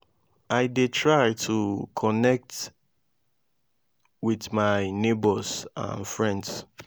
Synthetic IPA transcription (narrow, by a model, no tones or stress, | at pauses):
ʔajdetʰɹajtʰukʰɔnɛk̚t | wiðmaɪnebɔsã̰nfɹɛ̃nds